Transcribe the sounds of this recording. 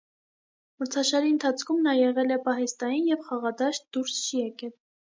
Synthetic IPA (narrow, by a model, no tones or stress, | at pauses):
məɾt͡sʰɑʃɑɾiənt̪ʰɑt͡sʰkʰumnɑjɛʁɛlɛpɑɦɛst̪ɑjinjɛvχɑʁɑd̪ɑʃt̪̚d̪uɾst͡ʃʰijɛkɛl